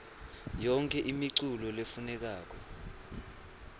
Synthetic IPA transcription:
jɔŋkʰɛʔimiǀulɔlefunɛk̬aːk̬ɔ

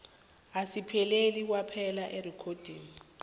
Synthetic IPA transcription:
asipʰɛlelik̬wapʰɛlaʔerikʰod̥ʱiːŋi

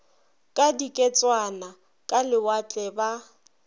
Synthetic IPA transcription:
kʼadikʼɛt͡sʼwana | kʼalɪwat͡ɬʼɛba

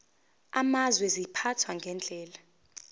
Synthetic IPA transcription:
amazwɛzipʰatʰwaŋɡʱɛnd͡ɮʱɛːla

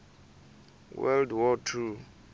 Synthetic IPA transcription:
wɛ̰ldwɔtʰu

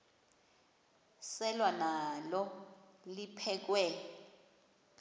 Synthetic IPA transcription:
sɛlwanalɔlipʰɛk̬wɛ

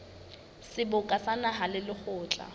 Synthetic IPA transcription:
sɪbʊkʼasanaɦalɪlɪχʊːt͡ɬʼa̰

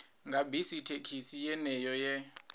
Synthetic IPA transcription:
ŋɡʱabʱisitʰekʰisijɛnɛjɔjɛ

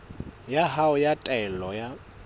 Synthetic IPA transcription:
jaɦaʊjatʼɛlɔja

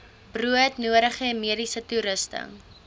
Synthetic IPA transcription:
b̥ruətnuəɾəχəɛmiədisətuɾəstə̰

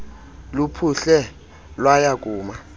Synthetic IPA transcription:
lupʰuɬɛ | lwajak̬ʼuːma

